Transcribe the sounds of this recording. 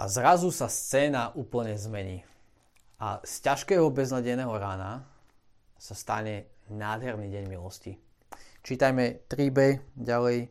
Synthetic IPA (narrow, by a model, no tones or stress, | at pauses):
ʔa̰zɾazusast͡sɛːnaʔuːpl̩ɲɛzmɛɲiː | ʔa̰scaʃkɛːɦɔbɛznaɟɛnɛːɦɔɾaːna | sast̪aɲɛnaːd̪ɦɛɾniɟɛɲmilɔsci | t͡ʃiːt̪ajmɛt̪ɾiːbɛɟalɛj